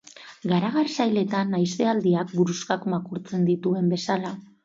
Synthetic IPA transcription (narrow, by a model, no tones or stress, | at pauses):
ɡaɾaɣ̞arsajle̞t̪anːajst̪e̞ald̪iak̚ɡuɾuskakmakuɾt͡se̞nd̪it̪ue̞mbe̞sala